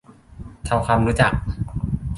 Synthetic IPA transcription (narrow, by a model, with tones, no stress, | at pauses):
t̪ʰa˧wkʰaː˧mɾuː˦˥t͡ɕa˨˩k̚